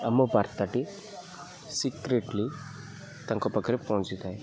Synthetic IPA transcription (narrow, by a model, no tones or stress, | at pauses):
ɐmopaɾt̪aʈi | sikɾeʈli | t̪ãŋkɔpəkɾepɔɦũt͡ʃit̪ai